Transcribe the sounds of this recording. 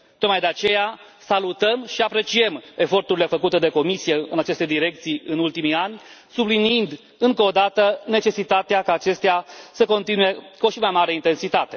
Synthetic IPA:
t̪ot̪majd̪eat͡ʃe̞ja | salut̪əmʃiapɾe̞t͡ʃie̞me̞fo̞rt̪uɾile̞fəkut̪e̞d̪e̞ko̞misije̞ɨnat͡ʃe̞st̪e̞d̪iɾe̞k̚t̪sijɨnult̪imianʲ | subliniind̪ | ɨŋkoːd̪at̪əne̞t͡ʃe̞sit̪at̪eakaːt͡ʃe̞st̪easəko̞nt̪inuje̞koʃimajmaɾe̞int̪e̞nsit̪at̪e̞

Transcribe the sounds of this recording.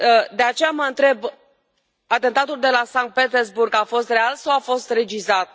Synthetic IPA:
əd̪e̞at͡ʃe̞jaməɨnt̪ɾe̞b | at̪e̞nt̪at̪uld̪e̞lasaŋk̚t̪̚pet̪erzburɡafo̞st̪re̞alsawafo̞st̪re̞d͡ʒizat̪̚

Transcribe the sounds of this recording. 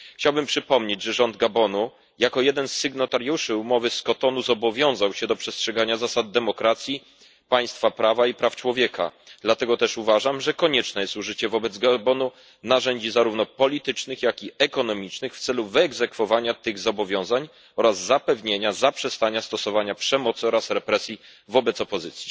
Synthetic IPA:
xt͡ɕawbɘmpʂɘpɔmɲed͡ʑʐɛʐɔnd̪̚ɡabɔnu | jakɔjɛd̪ɛnsːɛɡnɔt̪aɾjuʂɘumɔvɘskɔt̪ɔnuzɔbɔvʲjɔ̃w̃zawɕɛd̪ɔpʂɛstʂɛɡaɲazasad̪̚ːɛmɔkɾat̪sʲji | paj̃st̪fapɾavaipɾaft͡ʂwɔvʲjɛka̰d̪lat̪ɛɡɔt̪ɛʂuvaʐamʐɛkɔɲɛt͡ʂnɛjɛst̪uʐɘt͡ɕɛvɔbɛd̪zɡabɔnu | naʐɛɲd͡ʑizaɾuvnɔpɔlʲit̪ɘt͡ʂnɘxjakʲiɛkɔnɔmʲit͡ʂnɘxft̪sɛluvɘɛɡzɛkfɔvaɲat̪ɘɣzɔbɔvʲjɔ̃w̃zaɲ | ɔɾazːapɛvɲeɲazapʂɛst̪aɲast̪ɔsɔvaɲapʂɛmɔt̪sɘɔɾasɾɛpɾɛsʲji | vɔbɛt̪sɔpɔzɘt̪sʲji̥

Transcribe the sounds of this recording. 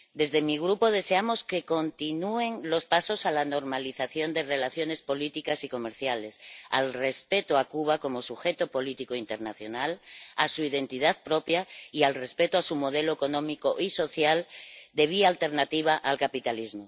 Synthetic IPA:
d̪e̞zðe̞miɣ̞ɾupoð̞e̞seamo̞ske̞ko̞nt̪inue̞ŋlo̞spaso̞salano̞ɾmaliθaθjo̞nd̪e̞re̞laθjo̞ne̞spo̞lit̪ikasiko̞me̞ɾθjale̞sa̰lre̞spe̞t̪oakuβako̞mo̞suxe̞t̪opo̞lit̪ikoint̪e̞ɾnaθjo̞nalasuið̞e̞nt̪ið̞aðpɾo̞pjaialre̞spe̞t̪oasumo̞ð̞e̞loeko̞nõmikoʔiso̞θjald̪e̞β̞ialt̪e̞ɾnat̪iβ̞aʔalkapit̪alizmo

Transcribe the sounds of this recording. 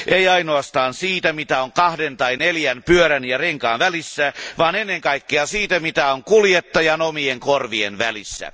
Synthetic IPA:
ʔeiɑinoɑst̪ɑːnsiːt̪æmit̪æoŋkɑhdent̪ɑineljænpyøɾænjɑreŋkɑːnʋælisːæʋɑːnenːeŋkɑikːeɑsiːt̪æmit̪æoŋkuljet̪ːɑjɑnomieŋkorʋienʋælisːæ̰

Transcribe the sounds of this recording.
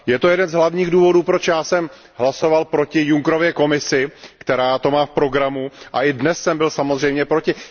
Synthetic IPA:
jɛt̪o̞jɛdɛnzɦlavɲiːɣduːvo̞duːpɾo̞t͡ʃjaːsɛm | ɦlaso̞valpɾo̞cɪjuŋkɾo̞vjɛko̞mɪsɪkt̪ɛɾaːt̪o̞maːfpɾo̞ɡɾamuʔaʔɪdnɛsːɛmbɪlsamozrɛjmɲɛpɾo̞cɪ

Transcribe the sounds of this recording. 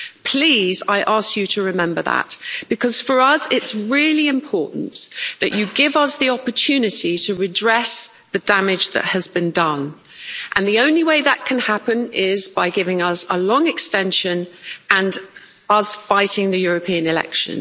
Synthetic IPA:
pʰl̥iːzaɪʔɑˑskjɨtʰəɹɪmɛ̃mbəðə̰tb̥ɨkʰʌz̥fə˞ʌzɪtsɹɪəliɪ̃mpʰɔɹˑʔn̩ðɨ̰t͡ʃɨɡɪvʌsðiɒpətʰʉːnɪtitʰəɹɪdɹɛs | ðədamɪd͡ʒðə̰ʔ̚həzbɨ̃ndʌ̃n | ʔə̃nðiə̃ʊ̃nliweɪðəʔ̚kʰə̃nhapə̃nɪzbaɪɡɪvɪ̃ŋʌzəlɒ̃ŋɪkstɛ̃nʃə̃nʔə̃n | ʌz̥faɪtɪ̃ŋðɨjʊɹəpʰiə̃nɪlɛ̰kʃə̰̃n

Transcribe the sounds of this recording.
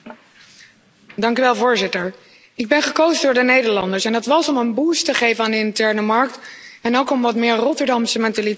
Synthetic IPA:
dɑŋkyʋɛlˠvʊːɹzɪtəɹ | ɪɡ̚bɛnχəkowzədʊːɹdənejdəɹlɑndəɹsɛndɑtʋɑsɔmənbuːstəχejvənaːndəɪntɛɹnəmɑɹk̚tɛnowkɔmʋɑtmɪːɹrɔtəɹdɑmsəmɛntali

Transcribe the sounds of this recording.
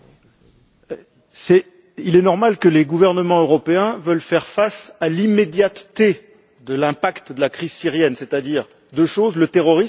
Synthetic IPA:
sɛ | ilɛnɔʁmalkəleɡuvɛʁnəmɑ̃øʁɔpeɛ̃vœlfɛʁfasalimed̪jat̪ːe | d̪əlɛ̃pakt̪d̪əlakχizsiʁjɛnset̪ad̪iʁ | d̪øʃozlət̪eʁɔʁis

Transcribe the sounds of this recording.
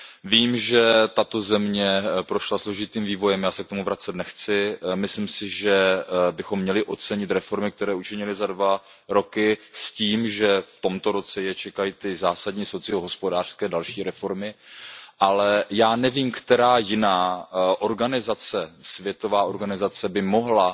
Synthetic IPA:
viːmʒɛt̪at̪o̞zɛmɲɛpɾo̞ʃlaslo̞ʒɪt̪iːmviːvo̞jɛmjaːsɛkt̪o̞muvɾat͡sɛt̪nɛxt͡sɪmɪslɪmsɪʒɛbɪxo̞mːɲɛlɪʔo̞t͡sɛɲɪt̪ɾɛfo̞ɾmɪk̚t̪ɛɾɛːut͡ʃɪɲɪlɪzadva | ɾo̞kɪsciːmʒɛft̪o̞mt̪o̞ɾo̞t͡sɛjɛt͡ʃɛkajit̪ɪzaːsadɲiːso̞t͡sɪoɦo̞spo̞daːr̥skɛːdalʃiːɾɛfo̞ɾmɪʔalɛjaːnɛviːmkt̪ɛɾaːjɪnaːʔo̞ɾɡanɪzat͡sɛsvjɛt̪o̞vaːʔo̞ɾɡanɪzat͡sɛbɪmo̞ɦla

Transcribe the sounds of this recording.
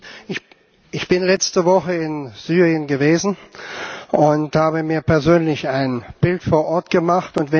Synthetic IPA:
ɪ | ɪçb̥ɪnlɛt͡stəvɔχəɪnz̥yːʁiənɡəveːzn̩ | ʔʊnthaːbəmiːɐpɛɐzøːnlɪçaɪnb̥ɪltfoːɐʔɔɐtɡ̥əmaχtʊntv̥ɛ

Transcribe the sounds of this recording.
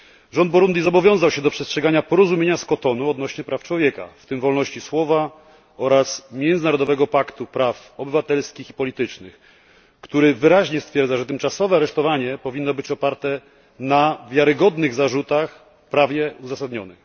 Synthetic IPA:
ʐɔnd̪̚bɔɾund̪ʲizɔbɔvʲjɔ̃w̃zawɕɛd̪ɔpʂɛstʂɛɡaɲapɔɾɔzumʲeɲaskɔt̪ɔnuɔd̪nɔɕɲɛpɾʔaft͡ʂwɔvʲjɛka̰ft̪ɘmvɔlnɔɕt͡ɕiswɔva | ɔɾasmʲjɛnd̪zɘnaɾɔd̪ɔvɛɡɔpakt̪upɾafɔbɘvat̪ɛlskʲixipɔlʲit̪ɘt͡ʂnɘx | kt̪uɾɘvɘɾaʑɲɛst̪fʲjɛɾd̪zaʐɛt̪ɘmt͡ʂasɔvɛaɾɛʂt̪ɔvaɲɛpɔvʲinːɔbɘt͡ɕɔpaɾt̪ɛ | navʲjaɾɘɡɔd̪nɘɣzaʐut̪ax | pɾavʲjɛuzasad̪ɲɔ̰nɘ̰x

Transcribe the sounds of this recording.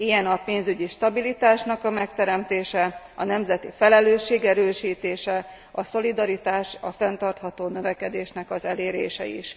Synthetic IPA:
ijɛnɒpeːnzyɟiʃt̪ɒbilit̪aːʃnɒkɒmɛkt̪ɛɾɛmt̪eːʃɛ | ɒnɛmzɛt̪ifɛlɛløːʃːeːɡɛɾøːʃiːt̪eːʃɛ | ɒso̞lid̪ɒɾit̪aːʃɒfɛnt̪ɒrt̪hɒt̪oːnø̞vɛkɛd̪eːʃnɛkɒzɛleːɾḛːʃɛ̰ḭʃ

